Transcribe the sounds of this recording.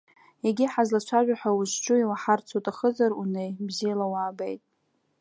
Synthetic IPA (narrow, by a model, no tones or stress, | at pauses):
jeɡʲiħazlat͡ʃʷʰaʒʷᶣaħʷᶣawʊʃt͡ʃʷʼʊiwaħart͡sʰotʼaχəzaɾunejbzijalawaːbḛjtʼ